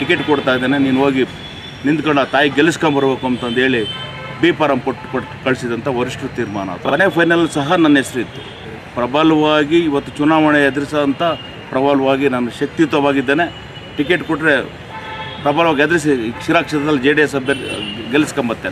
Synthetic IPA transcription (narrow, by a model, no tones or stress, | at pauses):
ʈikeʈkɔɽt̪aːjd̪eːneniːnoːɡi | nind̪kɐɳɖɐt̪aːjiɡeliskɐmbɐɾbe̞ːkuɐnt̪ɐnd̪eːɭi | biːpaːɾɐmkoʈːko | kɐɭsid̪ɐnt̪ɐʋɐɾiʂʈɾut̪iːɾmaːnɐ̰ːt̪ʰɐɐnepʰɐjnɐlɐsɐɦɐnɐnːesɾit̪ːu | pɾɐbʱɐlɐʋaːɡiːʋɐt̪ːut͡ʃunaːʋɐɳeɐd̪iɾisɐɐnt̪ɐ | pɾɐbʱɐlɐʋaːɡinɐnːɐʃɐk̚t̪it̪ɐʋaːɡid̪ːeːne | ʈik̬eʈkoʈːɾe̞ | pɾɐbʱɐːlɐʋaːɡiɐd̪ɾes̬iʃiɾaːkʂɐd̪ɐd̪ɐlːid͡ʒeːɖiesɐbeɾɡeliskɐmbɐt̪ːeːne